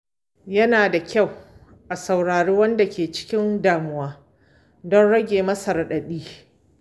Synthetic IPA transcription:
jɐ˦naː˨da˨kʲa˦˨w | ʔa˨sa˨wɽaː˨ɽeː˦wɐ˦nda˨kʲeː˨t͡ʃɪ̥˦kʲɪ˦ndaː˨mʊ˦waː˦ | dɔ˦nɽɐ˦ɡʲeː˨mɐ˦sɐ˨ɾɗɐ˨ɗiː˦

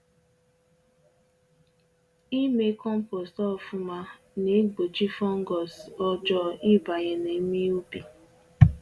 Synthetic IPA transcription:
i˦me˦kɔ˦m̩˦po˨stɔ˦ɔ˨fʊ˦ma˦ | ne˨˦ɡ͡bo˨t͡ʃi˦fɔ˦ŋ̩˦ɡɔ˨sɔ˦d͡ʒɔ˦ʔi˦ba˨ɣe˨ne˨˦mi˦u˦bi˨

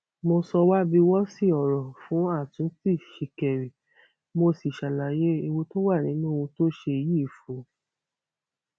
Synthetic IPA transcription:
mo˧sɔ˧wa˦bi˧wɔ˦si˦˨ɔ˨ɾɔ˨fũ˨˦a˦˨tũ˨˦ti˦˨ʃi˨kɛ˨ɾe˨ | mo˧si˨ʃa˨la˨je˦i˧wo˧to˦wa˦˨nĩ˨˦nũ˦˧ũ˧to˦ʃe˧ji˦˨fo˨˦

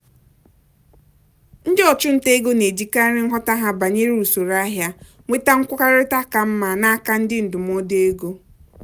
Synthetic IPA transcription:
n̩˦dɪ˦ɔ˨t͡ʃʊ˦n̩˦te˦e˦ɡo˦ne˨d͡ʒi˦ka˦ɾɪ˦ŋ̩˦ɦɔ˦ta˦ɦa˦ba˨ɲe˦ɾi˦u˨so˨ɾa˦ɦja˦ | ŋʷe˦ta˦ŋ̩˦kʷʊ˦ka˦ɾɪ˦ta˦ka˨m̩˦ma˨na˦a˦ka˦n̩˦dɪ˦n̩˨dʊ˨m˦ɔ˦de˦ɡo˦

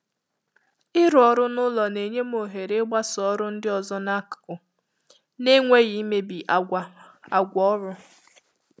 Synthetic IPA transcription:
ɪ˦ɾɔ˨ɾʊ˦nʊ˦lɔ˨ne˨ɲe˦m˦o˨ɦe˨ɾe˦ɡ͡ba˦sɔ˨˦ɾʊ˦n̩˦dɪ˦ɔ˨zɔ˦na˦kkʊ˨ | ne˦ŋʷe˦ɣi˨˦me˦bi˨ʔa˨ɡa˦a˨ɡʷɔ˦ɾʊ˦

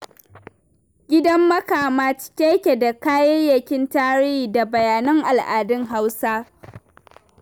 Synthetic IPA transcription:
ɡʲɪ˦dɐ˦mːɐ˦kaː˨maː˦t͡ʃkʲe˦jkʲe˨da˨kaː˦jɐ˦jjɐ˨kʲɪ˦ntaː˦ɽɪː˦hiː˨da˨bɐ˨jaː˨nɐ˦ŋʔa˨lʔaː˨dɪ˦ŋɦa˦wsaː˦

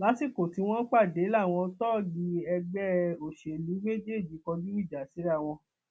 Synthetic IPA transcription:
la˨˦si˦˨ko˨ti˧˦w̃ɔ̃˦k͡pa˦˨de˨˦la˦˨w̃ɔ̃˧tɔ˦˨ɡi˧ɛ˧ɡ͡bɛ˦o˨ʃe˨nĩ˨˦me˦d͡ʒe˦e˦˨d͡ʒi˨˦kɔ˧ɡi˦i˦˨d͡ʒa˨˦si˨˦ɾw̃ɔ̃˧

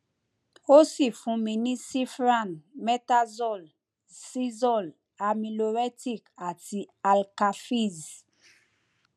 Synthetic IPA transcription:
o˦si˦˨fũ˨˧mĩ˧nĩ˦si˦fɾa˦˨nmɛ˦ta˦zɔ˦˨l | si˦zɔ˦˨l | a˨mĩ˨lo˨ɾɛ˦ti˦˨ka˨ti˨a˨lka˨fi˦˨z

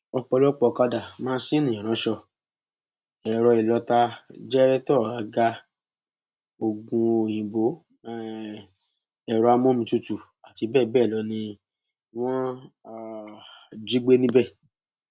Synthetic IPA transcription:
ɔ˧k͡pɔ˧lɔ˦k͡pɔ˧ka˧da˨mãː˦sĩ˦nũ˨ã˨ɾ̃ã˨˦ʃɔ˧ | ɛ˨ɾɔ˧i˨lɔ˧ta˧d͡ʒɛ˦ɾɛ˦tɔ˦˨a˨˦ɡa˧ | o˨ɡũ˧o˨j̃ĩ˨bo˨˦˨ | ɛ˨ɾɔ˧a˧mõ˦mĩ˧tu˦˧tu˨ | a˨ti˧bɛː˦˨bɛː˦˨lɔ˧˦nĩ˧ | w̃ɔ̃˦˨ | d͡ʒi˦ɡ͡be˦nĩ˦bɛ˦˨

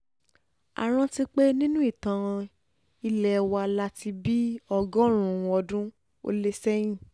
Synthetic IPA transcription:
a̰˨ɾ̃ã˧ti˧˦k͡pe˦nĩ˦nũ˦i˦˨tã˨ɾ̃ã˧ | i˧lɛ˨˧wa˧la˦ti˧bi˦ɔ˧ɡɔ̃˦ɾ̃ũ˨˧ɔ˧dũ˦ | o̰˧˦le˦sɛ˦j̃ĩ˦˨

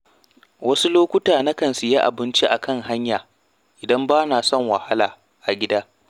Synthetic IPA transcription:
wʔɐ˦su˦loː˦kʷʊ˦taː˨na˦kɐ˨nsu˨ja˦ʔa̰˨bɪ˦nt͡ʃi˦ʔa˨kɐ˦ŋɦa˦ɲjaː˨ | ʔɪ˨dɐ˦mbaː˦naː˨sɔ˦˨ŋwɐ˨ha˦laː˨ | ʔa˨ɡʲɪ˦daː˦

